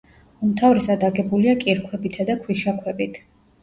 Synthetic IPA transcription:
umt̪ʰavɾɛsad̪aɡɛbuliakʼiɾkʰwɛbit̪ʰad̪akʰwiʃakʰwɛbit̪ʰ

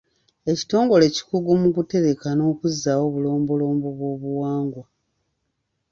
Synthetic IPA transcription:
e̞ci̥to̞ːŋɡo̞le̞ci̥kuɡumukute̞ɾe̞kano̞ːkuzːaːwo̞ːβulo̞ːmbo̞lo̞ːmbo̞βwo̞βuwaːŋɡwa

